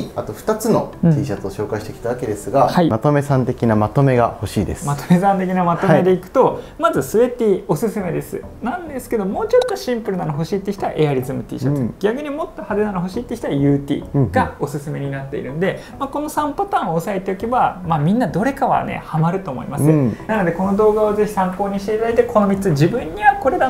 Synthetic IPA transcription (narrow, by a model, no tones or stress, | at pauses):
at̪o̞ɸɯ̥t̪at͡sɨnõ̞iːɕat͡soɕo̞ːkaiɕi̥t̪e̞kʲi̥t̪aβake̞d̪e̞sɨɡahaimat̪o̞me̞sãnt̪e̞kʲinamat̪o̞me̞ɡa̰ho̞ɕḭːd̪esɨmat̪o̞me̞sãnt̪e̞kʲinamat̪o̞med̪e̞ikɯ̟̥t̪o̞mazɨsɨbe̞t̪ʲio̞sɨsɨme̞d̪e̞sɨ̰nãnd̪e̞sɨ̥ke̞d̪o̞mo̞ːt͡ɕo̞t̪ːo̞ɕĩmpɯɾɯ̟nanoɦo̞ɕiːt̪ːeçʲit̪aa̰ʔe̞aɾʲizɨmɯ̟t̪ʲḭːɕat̪ɡ̥ʲakɯ̟ɲ̟imo̞t̪ːohad̪enanoɦo̞ɕiːt̪ːekʲçi̥t̪aajɯ̟ːt̪ʲḭːɡ̥ao̞sɨsɨme̞ɲ̟inat̪ːe̞ḭɾɯ̟̃nd̪e̞ | mako̞no̞sãmpat̪ãɰ̃oːsae̞t̪e̞oke̞bamaːmʲĩnːad̪o̞ɾe̞kaβa̰nḛhamaɾɯ̟t̪o̞ːmo̞̰ḭmasɨnano̞d̪e̞ko̞no̞d̪o̞ːɡaoze̞çi̥sãŋko̞ːɲ̟iɕt̪e̞it̪ad̪ait̪ekʰo̞no̞mʲit͡sɨd͡ʑibɯ̟̃ɲ̟ːiβakoɾe̞d̪a